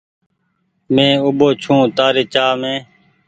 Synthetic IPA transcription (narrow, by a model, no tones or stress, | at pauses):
mẽːʊɓoːt͡ʃʰũːt̪aːɾeːt͡ʃaːmẽː